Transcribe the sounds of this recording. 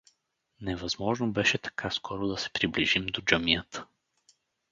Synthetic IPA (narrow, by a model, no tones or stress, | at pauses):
nɛvɐzmɔʒnobɛʃɛt̪ɐ̥kʰaskʰɔɾod̪ɐsɛ̥pɾibliʒimd̪od͡ʒamiət̪ə̥